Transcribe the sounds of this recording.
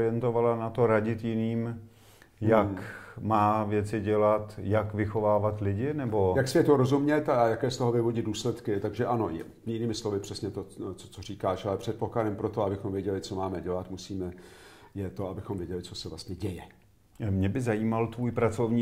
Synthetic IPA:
ɪjɛnt̪o̞valanat̪o̞ɾaɟɪt̪jɪniːm | jakmaːvjɛt͡sɪɟɛlat̪jakvɪxo̞vaːvat̪lɪɟɪnɛbo̞jaksvjɛt̪uɾozumɲɛt̪ajakɛːst̪oɦovɪvoɟɪd̪duːslɛt̪kɪt̪aɡʒɛʔanoj | jɪniːmɪslovɪpr̝̥ɛsɲɛt̪ot͡so̥t͡sor̝iːkaːʃalɛpr̥ɛt̪̚pokladɛmpɾot̪oabɪxomvjɛɟɛlɪt͡somaːmɛɟɛlat̪musiːmɛjɛt̪o̞abɪxomvjɛɟɛlɪt͡sosɛvlast̪ɲɛɟɛjɛ | mɲɛbɪzajiːmalt̪vuːjpɾat͡so̞vɲiː

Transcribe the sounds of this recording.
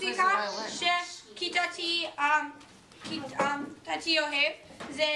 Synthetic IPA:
ikʰaʃekʰitatʰi | kʰitatʰioɦevze

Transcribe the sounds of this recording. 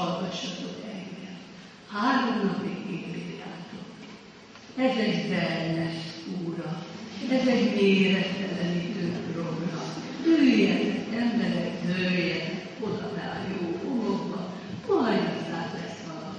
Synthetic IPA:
lɡɒʃːɒt̪ozɛŋɡɛl | haːɾomnɒpiɡeːt̪biːd̪aːt̪ok | ɛzɛɟbɛlnɛʃuːɾɒɛzɛɟveːɾɛt̪ːɛlɛnit̪øːd̪roɡrɒm | bøyjɛt̪ɛzɛmbɛɾɛknøjɛ | od̪ɒd̪a̰ːljoːoloɡbɒ | olɒjozaːklɛsʋɒlɒ

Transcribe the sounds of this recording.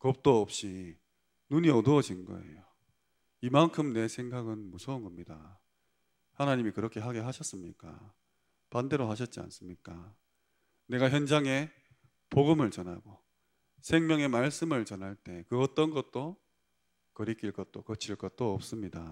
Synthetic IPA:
kʌp̚t͈oʌp̚ɕ͈i | nuɲiʌdoʌd͡ʑinɡʌ̰e̞̰jo | imankʰɯmne̞sʰe̞ŋɡaɡɯnmusʰonɡʌmɲida | hanaɲimikɯɾʌkʰe̞ɦaɡeɦaɕʰʌs͈ɯmɲik͈a̰ | pande̞ɾoɦaɕ̬ʰʌt̚t͡ɕ͈ia̰ns͈ɯmɲik͈a | ne̞ɡaçjʌnd͡ʑaŋe̞ | poɡɯmɯɭt͡ɕʌnɦaɡo | sʰe̞ŋmjʌŋe̞maɭs͈ɯmɯɭt͡ɕʌnɦaɭt͈e̞kɯʌt͈ʌnɡʌt̚t͈o | kʌɾik͈iɭk͈ʌt̚t͈okʌt͡ɕʰiɭk͈ʌt̚t͈oʌp̚s͈ɯmɲida

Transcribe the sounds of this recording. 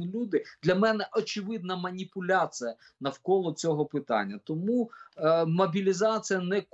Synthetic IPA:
ɪlʲud̪ɪd̪lʲɐmɛnɛʔɔt͡ʃɪʋɪd̪nɐmɐnʲipʊlʲat͡sʲijɐ | nɐwkɔlˠɔt͡sʲɔɦɔpɪt̪ɑ̰nʲːɐt̪ɔmu | mɔbʲilʲizat͡sʲijɐnɛk

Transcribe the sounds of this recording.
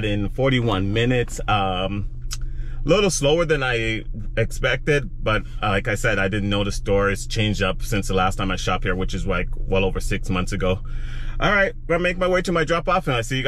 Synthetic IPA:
ɾɪ̃nfɔɹɾiwʌ̃nmɪnɪtsʌ̃m | lɪɾl̩ˠsloʊə˞ðɨ̃naɪɨkspɛk̚tɪd̚b̥ʌt̚laɪkaɪsɛɾaɪdɪdⁿn̩noʊðɨstɔɹiz̥t͡ʃʰẽɪ̃nd͡ʒdʌpsɪ̃nsðəlæstʰãɪ̃maɪʃɑp̚hiɹwɨt͡ʃɨzlaɪk̚wɛlˠoʊvə˞sɪksmʌ̃nθsɨɡoʊʔɑ̰lˠɹaɪt̚ɡ̥meɪk̚maɪweɪɾɨmaɪdɹɑpɔfɨ̃naɪsijɨɡ

